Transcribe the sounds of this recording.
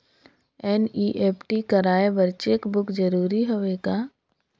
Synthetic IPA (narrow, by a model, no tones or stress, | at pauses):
ɛːniːʔeːpʰʈikɐɾaːebɐɾt͡ʃekbʊkd͡ʒəɾuːɾiɦoʋeɡaː